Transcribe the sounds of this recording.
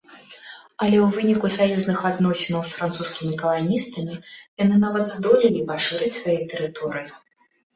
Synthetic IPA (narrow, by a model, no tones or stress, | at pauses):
ɐlʲɛwvɨnʲikusajuznɨxad̪nɔsʲɛnɐwsfɾant̪suskʲimʲikɐlˠanʲist̪ɐmʲijanɨnavɐd̪zd̪ɔlʲilʲipaʂɨɾɨt͡sʲsvajit̪ɛɾɨt̪ɔɾɨji